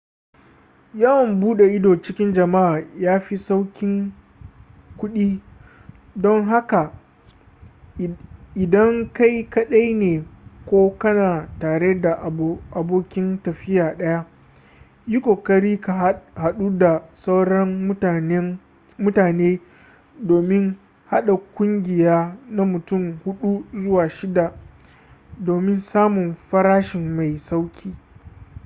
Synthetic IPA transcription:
jɐ˦wɐ˨mbuː˦ɗe˨ʔɪ˦doː˨t͡ʃɪ˦kʲɪ˦nd͡ʒɐ˨ma˦ʔaː˨jaː˦ɸi˦sa˦wkʲɪ˦ŋ | kʷʊ˦ɗiː˦ | dɔ˦ŋɦa˦ka˨ | ɪ˨dɐ˦ŋka˦jkɐ˦ɗa˦jneː˨kʷoː˦kɐ˦naː˨taː˨ɽe˦da˨ʔʔa˨boː˦kʲɪ˦ntɐ˨ɸɪ˦jaː˨ɗɐ˦ja˦ | jʊ˦kʷo˨kɐ˦ɽiː˦ka˨ha˨ɗu˦da˨sa˦wɽɐ˦m˦˨˦ | mʊ˦taː˨neː˦ | doː˨mɪ˦ŋ | ha˦ɗa˨kʷʊ˦ŋɡʲɪ˨jaː˦na˦mʊ˨tʊ˦˨mhʊ˦ɗu˦zʊ˦waː˨ʃɪ˦da˨ | doː˨mɪ˦nsaː˦mʊ˨mɸɐ˦ɾaː˦ʃɪ˨mːa˨jsa˦wkʲʰiː˦

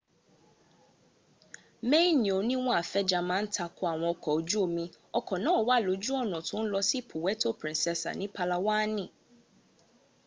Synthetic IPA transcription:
mẽ˦i˦nĩ˨o˨nĩ˦w̃ɔ̃˦a˨fɛ˦d͡ʒa˨mã˦n̩˦tʰa˨kʰʊ˦a˨w̃ɔ̃˨ɔ˨kʰɔ˨o˨d͡ʒu˦o˨mĩ˨ | ɔ˦kʰɔ˨nãː˦ɔ˨wa˦˨lo˨˦d͡ʒu˦ɔ˦nɔ̃˨tʰʊ̃˨˦n̩˦lɔ˦si˦pʰʊ˨wɛ˦tʰo˦pʰɾĩ˨nsɛ˨sa̰˨nɪ̃˦pʰa˦la˨waː˦nɪ̃˦˨

